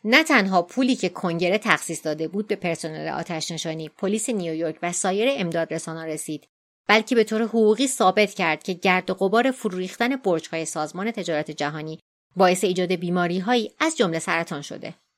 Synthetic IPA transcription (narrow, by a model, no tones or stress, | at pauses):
næt̪ʰænɦɒːpʰuːliːcʰe̞kʰo̞ŋɟe̞ɾe̞t̪ʰæxsiːsd̪ɒːd̪e̞buːd̪̚be̞pʰe̞ɾso̞nḛlḛʔɒ̰ːt̪ʰæʃne̞ʃɒːniːpʰo̞liːse̞nijojoɾcʰvæsɒːje̞ɾeːmd̪ɒːd̪resɒːnɒːɾe̞siːd̪̥ | b̥ælcʰe̞be̞t̪ʰoɾeɦoɣuːɣiːsɒːbe̞t̪ʰcʰæɾd̪̥cʰe̞ɟæɾd̪oɣo̞bɒːɾe̞fuɾuːɾiːxt̪æne̞boɾt͡ʃhɒːje̞sɒːzmɒːne̞t̪ʰe̞d͡ʒɒːɾɒːt̪ʰe̞d͡ʒæɦɒːniː | bɒːe̞se̞iːd͡ʒɒːd̪e̞biːmɒːɾiːɦɒːiːæzd͡ʒo̞mle̞sæɾæt̪ʰɒːnʃo̰d̪e̞̰